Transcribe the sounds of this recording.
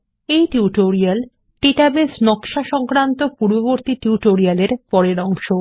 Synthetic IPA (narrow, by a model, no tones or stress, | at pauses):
ejʈiuʈoɾial | ʈeʈabesnɔkʃaʃɔŋkɾant̪opuɾboβoɾt̪iʈiuʈoɾialeɾpɔɾeɾɔŋʃo